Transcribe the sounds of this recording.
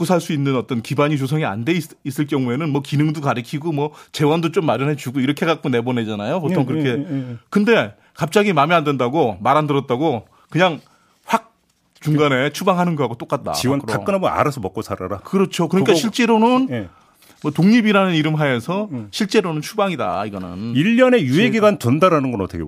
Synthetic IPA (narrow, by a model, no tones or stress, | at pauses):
k͈usʰaɭs͈uinːɯnʌt͈ʌnkibaɲit͡ɕosʰʌŋia̰nde̞i | is͈ɯɭk͈jʌŋue̞nɯnmwʌkinɯŋdukaɾɯkʰiɡomwʌt͡ɕe̞wandot͡ɕomːaɾjʌnɦe̞t͡ɕuɡoiɾʌkʰe̞kak̚k͈one̞bone̞d͡ʑanajopotʰoŋkɯɾʌkʰe̞kɯnde̞ | kap̚t͡ɕ͈aɡimamiande̞ndaɡomaɾɦandɯɾʌt̚t͈aɡo | kɯɲaŋ | ɸwak̚ | t͡ɕuŋɡane̞t͡ɕʰubaŋɦanɯnɡʌɦaɡot͈ok͈at̚t͈a̰iwkaɯnamʌna̰ɾasʰʌmʌk͈osʰaɾaɾakɯɾʌt͡ɕʰokɯɾʌɲik͈aiɭt͡ɕ͈e̞ɾonɯn | mwʌtoŋɲibiɾanɯniɾɯmɦaesʰʌɕʰiɭt͡ɕ͈e̞ɾonɯnt͡ɕʰubaŋida̰iɡʌnɯ̰niʎːʌne̞juɦeɡiɡantondaɾanɯnɡʌnʌtʰʌɡe